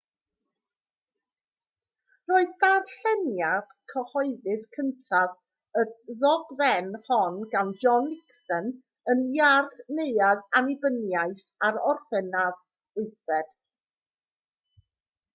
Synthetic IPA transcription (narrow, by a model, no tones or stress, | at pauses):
roːɨðdaːd̥ɬɛnjad̥kʰəhɔɨðɨskʰəntʰav | əðɔɡvɛnhɔnɡand͡ʒɔnːɪksən | ənjarθneɨaðanɪbənjaɨθ | aɾɔrθɛnað | ʊɨθvɛd̥